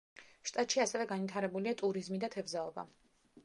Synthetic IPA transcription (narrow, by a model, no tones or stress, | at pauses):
ʃt̪ʼat̪ʼʃiasɛvɛɡanwit̪ʰaɾɛbuliat̪ʼuɾizmid̪at̪ʰɛvzaɔba̰